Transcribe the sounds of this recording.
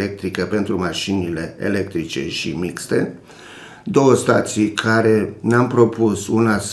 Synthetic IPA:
ek̚t̪ɾikəpe̞nt̪ɾumaʃinile̞ḛle̞k̚t̪ɾit͡ʃe̞̰ʃḭmikst̪e̞̰ | d̪o̞wəst̪at̪sijkʰaɾe̞neampɾo̞pusunas

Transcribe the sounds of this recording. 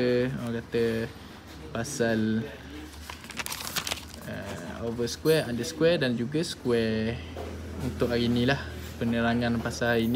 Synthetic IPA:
kat̪ə | pasal | ə̰ovəskwɛandəskwɛdand͡ʒuɡəsə̥kwɛ | unt̪ʊʔaɾinĩlah | pənəɾaŋanpasalain

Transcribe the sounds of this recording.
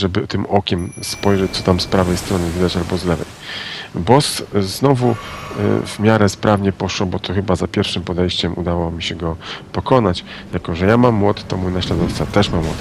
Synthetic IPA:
ʐɛbɘt̪ɘmɔkʲɛmspɔjʐɛt͡ɕt̪ɔt̪amspɾavɛjst̪ɾɔnɘvʲid̪at͡ɕalbɔzlɛvɛ̰jbɔsznɔvṵ | vmʲjaɾɛspɾʔavɲɛpɔʂwɔbɔt̪ɔxɘbazapʲjɛɾfʂɘmpɔd̪ɛjɕt͡ɕɛmṵd̪awɔmʲiɕɛɡɔpɔkɔnat͡ɕ | jakɔʐɛjamamːwɔt̪t̪ɔmujnaɕlad̪ɔft̪sat̪ɛʂmamːwɔt̪

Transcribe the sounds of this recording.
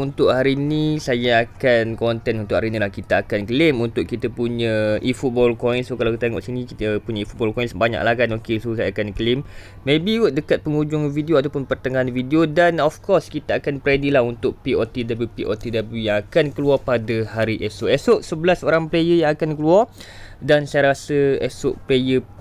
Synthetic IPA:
unt̪ʊʔhaɾiːnĩsajaakankɔnt̪ɛnunt̪ʊʔhaɾinilahkit̪aakankəlɪmunt̪ʊʔkit̪əpuɲə̃ifut̪̚bɔlkɔinsokalakit̪t̪aŋɔ̰ʔsinĩkit̪əpuɲəifut̪̚bɔlkɔjnsbaɲa̰ʔlahkanokesosajaakankəlɪmː | ẽbiʊʔ̪̚dəkat̪̚pəŋud͡ʒʊŋfidioat̪apʊnpərt̪əŋaɦanfidiodanɔfkɔrskit̪aakanpɾadilahunt̪ʊʔ̚piot̪idablupiʔot̪idabəlujaŋakankəluapadəhaɾiʔɛsoʔɛsʊʔsəbəlasəoɾaŋplejəjaŋakankəluar | dansajaɾasəɛsʊʔplejə

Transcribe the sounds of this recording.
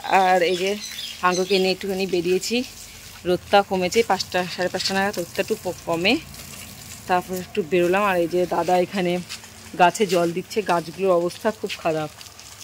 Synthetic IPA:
aɾejd͡ʑehaŋɡokeniek̚ʈukanibeɾiet͡ɕʰi | ɾot̪ːakomet͡ɕʰejpaʃʈaʃaɾepaʃʈanaɡat̪ɾot̪ːaʈːupokɔme | t̪aɾpɔɾek̚ʈubeɾolamaɾejd͡ʑed̪ad̪aekʰane | ɡat͡ɕʰed͡ʑɔld̪itːɕʰeɡad͡ʑɡuloɾɔbost̪ʰakʰubkʰaɾab̚

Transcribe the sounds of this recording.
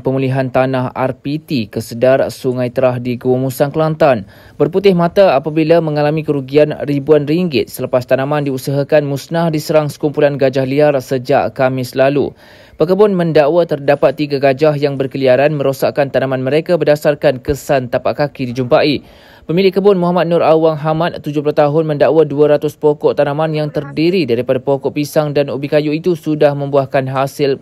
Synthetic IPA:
pəmũliɦant̪anaha̰rpit̪ikəsədarsuŋãjt̪əɾaɦdiɡuwumusanklant̪an | bərput̪ɪhmãt̪aapabilamə̃ŋalamĩkəɾuɡianribuanriŋɡɪt̪̚sələpast̪anãmãndiusəɦakanmusnahdisəɾaŋsə̥kumpulanɡad͡ʒahliarsəd͡ʒaʔkamɪslalṵ | pəkəbʊnmə̃ndaʔwat̪ərdapat̪ːiɡaɡad͡ʒaɦjaŋbərkəliaɾanmə̃ɾosaʔkant̪anãmanmə̃ɾekabərdasarkankəsant̪apaʔkakidid͡ʒumpaʔi | pəmĩlɪkəbʊnmũɦamat̪̚nʊɾawaŋɦamat̪̚t̪ːud͡ʒʊplat̪aɦʊnmə̃ndaʔwaduaɾat̪ʊspɔkɔʔt̪anãmanjaŋt̪ərdiɾidaɾipadapɔkɔʔpisaŋdanubikajuit̪usudahmə̃mbuahkanɦasɪl

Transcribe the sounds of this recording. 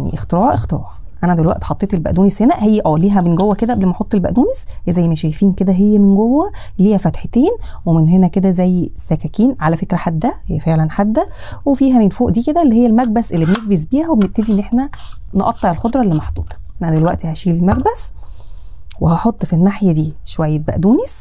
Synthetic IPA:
nḭʔext̪eɾæːʕʔext̪eɾɑːʕ | ʔænæd̪elwæʔt̪ħɑt̪ˤːeːt̪elbæʔd̪uːneshenæʔhejːæʔæːliːɦæbenɡowːæked̪æʔæblemæħot̪ˤːelbæ̰ʔd̪uːnesezæjːmæʃæjfiːnked̪æɦejːæmenɡowːæ | liːæfæt̪ħet̪eːnwemenɦenæked̪æzæjːesːækækiːnʕalæfekɾæħad̪ːæhejːæfeʕlænħad̪ːæ | wefiːɦæefoːʔd̪iːked̪æʔelːihejːælmæɡ̚bæsʔelːibeneɡ̚bes̬biːhæwebeneb̚t̪æd̪iʔenːʔeħnæneʔɑt̪ˤːeʕelxod̪ˤɾˤɑlːimɑħd̪ṵːd̪ˤɑ̥ʔʔnænæd̪elwæʔt̪ihæʃiːlelmæɡbæs | wehɑħot̪ˤːfinːaħjæd̪iːʃowæjːebæ̰ʔd̪uːnes

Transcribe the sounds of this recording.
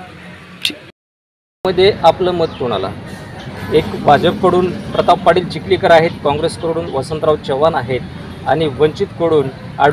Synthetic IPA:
əd̪ʱːjeʔapləməd̪̚t̪uɽ̃a̰la̰ | ekbʱad͡zəpkəɽuːnpɾət̪appaɽiːlt͡ɕikliːkəɾaɦet̪kɔ̃ŋɡɾeskəɾɽuːnʋəsənt̪ɾawt͡ɕəʋanaɦet̪̚ | a̰ɽ̃iʋəɲt͡ɕit̪kəɽuːn | a̰ɽ

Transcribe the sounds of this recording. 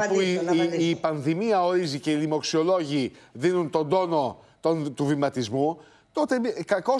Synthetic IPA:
puiːpɐnðimiɐo̞ɾizice̞ilimo̞ksio̞lo̞ʝiðinunt̪o̞nd̪o̞no̞ | t̪ont̪uvimɐt̪izmu | t̪o̞t̪ekɐko̞

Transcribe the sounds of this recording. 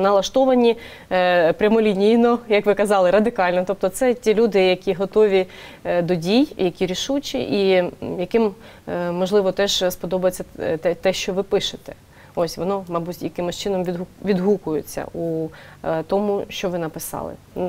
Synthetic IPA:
nɐlˠɐʃt̪ɔʋɐnʲi | pɾʲɐmɔlʲinʲijnɔjɐkʋɪkɐzɑlˠɪɾɐd̪ɪkɑlʲnɔt̪ɔp̚t̪ɔt̪sɛtʲilʲud̪ɪjɐkʲiɦɔt̪ɔʋʲid̪ɔdʲijjɐkʲiɾʲiʃut͡ʃʲḭʔijɐkɪmː | ɔʒlˠɪʋɔt̪ɛʒspɔd̪ɔbɐjet͡sʲːɐɛt̪ɛʃt͡ʃɔʋɪpɪʃɪt̪ɛ̥ | ɔsʲʋɔnɔmɐbutʲjɐkɪmʊʃt͡ʃɪnɔmʋʲiɦʋʲid̪ɦukʊjʊt͡sʲːɐ̰ʔu | t̪ɔmuʃt͡ʃɔʋɪnɐpɪsɑ̰lˠɪ̰

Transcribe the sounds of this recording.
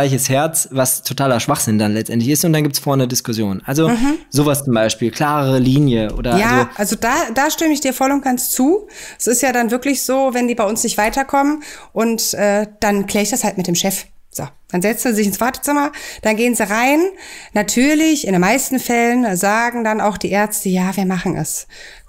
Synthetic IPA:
aɪçəshɛɐt͡svastʰotʰaːlɐʃv̥aχz̥ɪndanlɛt͡stʔɛntlɪçɪstʊntd̥anɡiːp̚tsfɔɐnədɪskʊsjoːnʔalzom̩ɦm̩z̥oːvast͡sʊmbaɪʃpiːlkʰl̥aːʁəʁəliːnjəʔo̰ːdɐjaːzoalzodad̥aːʃtɪməɪçd̥iːɐfɔlʊnt̚ɡ̥ant͡st͡suːɛsɪstjaːdanvɪɐklɪçz̥oːvɛndiːbaɪʊnsnɪçtv̥aɪtɐkʰɔmənʔʊntʔɛːd̥ankʰl̥ɛːɐɪçd̥ashaltmɪt̚deːmʃɛf | z̥oː | d̥anzɛt͡sn̩zizɪçɪnsv̥aɐtə̥t͡sɪmɐd̥anɡeːənziːʁaɪnːatʰyːɐlɪçɪndeːnmaɪstn̩fɛlənzaːɡŋ̩danaʊxd̥iːʔɛɐt͡stəjaːviːɐmaχn̩ʔɛ̰s

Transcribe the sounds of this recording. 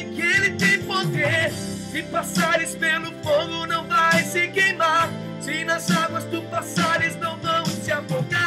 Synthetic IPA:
kelɪt̪ẽj̃pod̪esɪpasaɾɪspelʊfoɡʊnɐ̃w̃vajsɪkejmaɾ | sinɐzaɡwɐzd̪ʊpasaɾɪznɐ̃w̃vɐ̃w̃t͡ʃɪavoɡa

